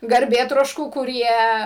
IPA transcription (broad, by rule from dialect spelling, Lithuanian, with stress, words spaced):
ɡɐrʲˈbʲeːtroːʃkuː kʊˈrʲiɛ